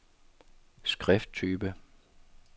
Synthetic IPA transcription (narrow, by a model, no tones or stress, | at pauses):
sɡ̥ʁɛfd̥̚t͡sʰyːb̥ə